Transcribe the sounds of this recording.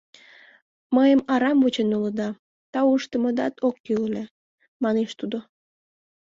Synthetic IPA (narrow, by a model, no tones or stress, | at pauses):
məjəmɑɾɑmvət͡ɕənuləd̪ɑ | t̪ɑuʃt̪əməd̪ɑt̪ʰokːyule | mɑneʃt̪ud̪o